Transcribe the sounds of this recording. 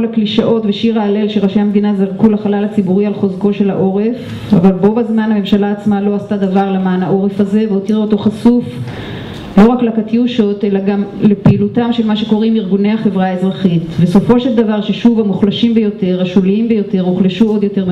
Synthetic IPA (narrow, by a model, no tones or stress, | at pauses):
lakliʃaʔo̞tveʃiʁaːle̞lʃeʁaʃejamed̪inazaʁkulaχalalat͡sibuʁialχo̞zko̞ʃe̞laʔo̞ʁe̞f | a̰valbo̞bazmanhame̞mʃalaːt͡smalo̞astad̪avaʁlemaːnaʔo̞ʁe̞faze̞veot̪iʁaoto̞χasuf | lo̞ʁaklakatiuʃo̞te̞laɡamle̞peiːlutamʃelmaʃeko̞ʁimiʁɡunehaχe̞vʁaezʁaχitve̞so̞fo̞ʃeld̪avaʁʃeʃuvamuχlaʃimbejo̞te̞ʁaʃuliimbejo̞te̞ʁuχleʃuo̞d̪jo̞te̞ʁ